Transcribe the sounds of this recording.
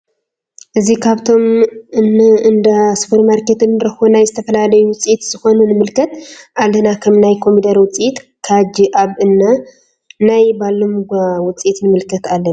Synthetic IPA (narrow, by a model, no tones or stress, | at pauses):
ʔɨzikʰaβt̪ʰo̞mɨnɨnd̪ɐsɨ̥pʰɨɾmaɾket̪ɨnːɾɐxonajzɨt̪ʰɐfɐlalɐjuwʊt͡sʼijit̪z̥ɨxo̞nunɨmɨlkʰɐt̪ʔalːɐnakʰɐmnajkʰo̞mid̪ɐɾwʊt͡sʼijit̪kʰad͡ʒiʔaβɨnːa | najbalːomɡʷawʊt͡sʼit̪nɨmɨlkʰɐt̪alːɐ